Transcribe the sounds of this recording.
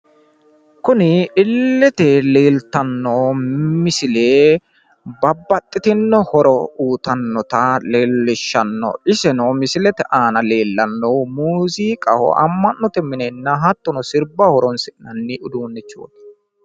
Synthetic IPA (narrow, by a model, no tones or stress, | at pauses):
kʊnɪɪlːɛt̪ɛleːlt̪ɐnːɔmɪsɪleː | bɐbːɐt̪ʼːɪt̪ɪnːɔhɔɾɔuːt̪ɐnːɔt̪ɐleːlːɪʃːɐnːɔ̰ɪsɛnomɪsɪlɛt̪ɛʔaːnɐle̞ːlːɐnːɔmuːziːkʼɐhɔ̰ʔɐ̰mːɐnːɔt̪ɛmɪnɛnːɐɦɐt̪ːɔnɔsɪɾbahɔɾɔnsɪʔnɐnːɪʔʊd̪uːnːɛt͡ʃːo̰ːt̪ɐ̥